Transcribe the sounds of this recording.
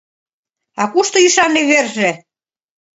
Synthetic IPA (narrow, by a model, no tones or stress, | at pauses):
ɑkuʃt̪ɤ̆iʃɑnːeβerʒĕ